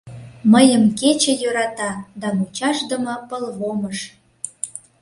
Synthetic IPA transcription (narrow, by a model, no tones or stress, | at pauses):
məjəmket͡ɕĕjøɾɑt̪ɑd̪ɑnut͡ɕɑʃd̪ə̆mɤ̆pəlβoməʃ